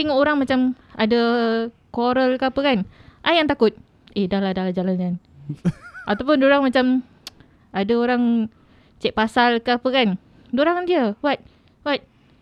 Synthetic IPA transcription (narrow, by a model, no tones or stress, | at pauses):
iŋoɾaŋmat͡ʃama̰də | koɾəlkəapəkanʔajaŋt̪akʊt̪̚ | edahladalad͡ʒalankan | ʔat̪awp̬ʊndoɾaŋmat͡ʃam | adaoɾaŋ | t͡ʃɛʔpasalkəapəkan | doɾaŋndiəwat̪̚ | wat̪̚